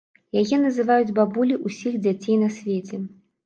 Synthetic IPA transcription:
jajɛnɐzɨvajud͡zʲbabulʲiʔusʲixd͡zʲat͡sʲejnɐsʲvʲet͡sʲɛ

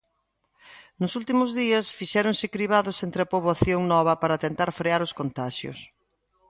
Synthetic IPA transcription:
nʊsult̪imʊzðiɐsfiʃɛɾoŋsɪkɾiβ̞aðʊsent̪ɾɪapoβoaθjoŋnɔβ̞ɐpaɾɐt̪ent̪aɾfɾeaɾʊskont̪aʃjʊ̰s

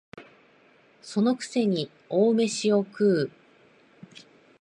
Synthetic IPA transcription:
so̞no̞kɯ̟̥se̞ɲ̟i | oːme̞ɕio̞kɯ̟ː

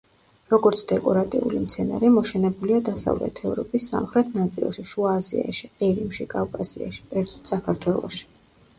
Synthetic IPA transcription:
ɾɔɡɔɾt̪sʰd̪ɛkʼɔɾat̪ʼḭulimt̪sʰɛna̰ɾimɔʃɛnɛbuliad̪asa̰vlɛ̰t̪ʰɛvɾɔpʼisːa̰mχɾɛt̪ʰnat̪sʼḭlˠʃiʃuaːzḭa̰ʃiqʼiɾimʃikʼavkʼasḭa̰ʃi̥pʼɛɾt̪sʼɔ̥t̪sakʰaɾt̪ʰwɛlˠɔ̰ʃi̥

